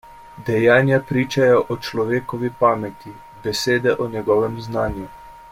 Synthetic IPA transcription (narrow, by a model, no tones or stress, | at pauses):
d̪ɛjaːnjapɾiːt͡ʃajɔʔɔt͡ʃlɔʋeːkɔʋipaːmɛt̪i | bɛseːd̪ɛʔɔnɛɡɔːʋɛmznaːnju